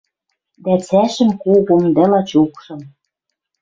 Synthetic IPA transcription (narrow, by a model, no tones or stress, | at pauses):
d̪æt͡sæʃɘ̆mkoɣomd̪ælɑt͡ɕokʃɤ̆m